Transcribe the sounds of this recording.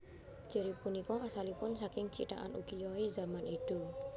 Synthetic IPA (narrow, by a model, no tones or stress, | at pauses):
d͡ʒ̥ə̤ɾipunikɔʔasalipʊnsakɪŋt͡ʃḭt̪a̰ʔa̰nṵkijɔizamaniɖ̪̥o